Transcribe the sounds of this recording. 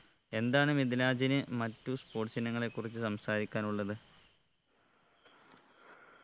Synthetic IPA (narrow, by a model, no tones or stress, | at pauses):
e̞nd̪aːɳɨmid̪ilaːd͡ʑinɨmɐtːuspo̞ːʈɕɐnɐŋːɐɭe̞kːurit͡ɕːɨsɐmsaːɾikʲːaːnuɭːɐðɨ